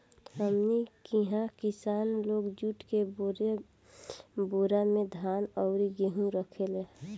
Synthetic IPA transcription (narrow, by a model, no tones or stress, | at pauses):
həmnikiɦãkɪsaːnloːɡd͡ʒuʈkebɾe | boːɾamẽd̪ʱaːnɔʊɾiɡeɦũɾəkʰele